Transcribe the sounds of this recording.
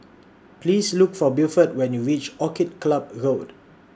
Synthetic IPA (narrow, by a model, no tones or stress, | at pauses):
plislukfɔbilfət̚wɛ̃njuɹit͡ʃɔkit̚klab̚ɹod